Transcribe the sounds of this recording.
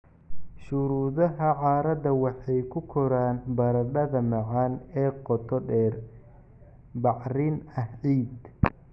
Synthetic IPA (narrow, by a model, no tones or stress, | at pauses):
ʃʊɾuːðɐɦɐʕɑːɾɐd̪ɐwɑħɑjkʰʊkʰɔɾaːnbɐɾɐdɐðɐmɑʕɑːnɛːqɔt̪ʰɔɖɛːr | bɑʕrɪnɐhʕiːd̪